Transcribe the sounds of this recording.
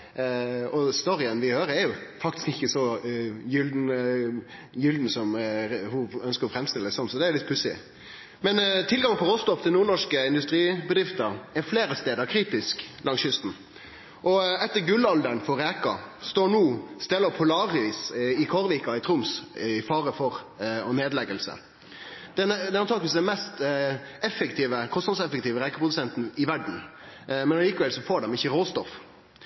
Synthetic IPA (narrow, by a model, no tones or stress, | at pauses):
ɔst̪ɔɾɪənʋɪhøːɾəɛɾjʊfɑk̚t̪ɪ̥skɪçːəsɔjʏld̪n | jʏld̪n̩sɔmhʊœnskəɾɔfɾɛmst̪ɪləd̪ɛsɔnːsɔd̪ɛælɪt̪̚pʰʉsɪ̰ | mɛnt̪ʰɪlɡɑŋəpʰɔʁoːst̪ɔpd̪ɪlnuːɾɳɔʂkəɪnd̪ʉst̪ɾiːbəd̪ɾɪft̪əɾɛɾfleːɾəst̪eːd̪əɾkʰɾiːt̪ɪsklʔɑŋsʏst̪n̩ | ʔɔɛt̪ːəɾɡʉlːɑld̪ənfɔɾeːkɑ̰st̪oːɳuːst̪ɛlɔpʰʊlɑːʁiːsɪkʰɔɾʋiːkɑɪt̪ʰɾʊmsɪfɑːɾəfɔʁɔneːd̪lɛɡəlsə̰ | d̪̥ɛnd̪ɛnɔnʰɑːkʋɪsd̪ɛnmɛst̪ɛfːəkt̪ʰiːʋəkʰɔst̪nɑd̪sɛfɛkt̪iːʋəɾɛːkəpʰʁʊd̪ʉsɛnt̪n̩ɪʋæɖɳ̩ | mɛnɑliːkəʋɛlsɔfoːɖɛmɪçəʁoːst̪ɔf